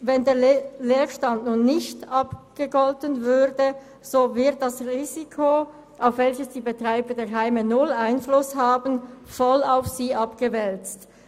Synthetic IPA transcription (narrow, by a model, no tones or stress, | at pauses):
vɛndeːɐleːʃtantnuːnːɪçtʔɑpɡ̥əɡɔltənvʏdə | z̥oːvɪɐt̚d̥ɑsʁiːzikʰo | ʔaʊfv̥ɛlçəsd̥iːbətʁ̥aɪbədeːɐɦaɪmənʊlaɪnflʊshaːbənfɔlaʊfsiːʔɑpɡ̥əvɛlt͡st